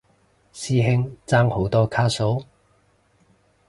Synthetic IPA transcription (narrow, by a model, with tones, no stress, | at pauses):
siː˥ɦɪ˥ŋt͡saː˥ŋho˨˥wt̪ɔː˥kʰaː˥so˨˥w